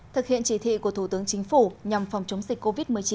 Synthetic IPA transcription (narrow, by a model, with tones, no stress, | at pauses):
t̪ʰɨ˨˩k̚hḭ˧˨ənt͡ɕi˧˩t̪ʰḭ˧˨ku˧˩ət̪ʰu˧˩t̪ɨ˨˦əŋt͡ɕï˨˦ŋ̟fu˧˩ɲa˨˩mfa˨˩wŋ͡mt͡ɕə˨˦wŋ͡mzï˨˩k̟̚kːo˧vi˦˥t̚mɨ˨˩əjt͡ɕi˨˦